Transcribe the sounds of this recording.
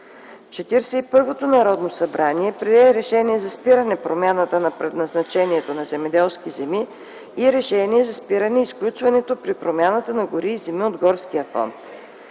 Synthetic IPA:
t͡ʃɛt̪iɾsɛipɤɾvot̪onɐɾɔd̪nosɐbɾaniɛpɾiɛɛɾɛʃɛniɛzɐspiɾənɛpɾomʲjanət̪ənɐpɾɛd̪nɐznɐt͡ʃɛniɛt̪onɐzɛmɛd̪ɛlˠskizɛmiː | ɾɛʃɛniɛzɐspiɾənɛisklʲut͡ʃvɐnɛt̪opɾipɾomʲjanət̪ənɐɡʊɾiːzɛmiod̪ɡɔɾskijəfɔ̰nt̪

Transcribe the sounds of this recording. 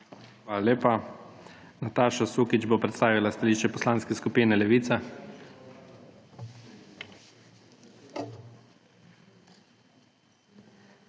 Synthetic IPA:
xʋalalʲeːpa | nat̪aːʃasuːkit͡ʃbopɾɛt̪st̪aːʋilast̪aliːʃt͡ʃɛpɔslaːnskɛskupiːnɛlɛʋiːt̪sa

